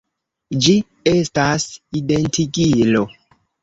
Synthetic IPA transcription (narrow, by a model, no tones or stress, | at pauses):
d͡ʒi | e̞stasidentʰiɡilo̞